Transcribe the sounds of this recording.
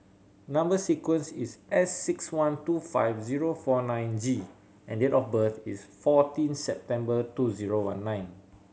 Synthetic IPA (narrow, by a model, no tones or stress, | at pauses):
nãmbəsikwə̃nsisɛsːikswãntufa̰jfziɹofɔnãj̃nd͡ʒi | ʔɛ̰̃ndetɔfbəθisfɔtĩnsɛp̚tɛ̃mbətuziɹowã̰nːãɪ̃n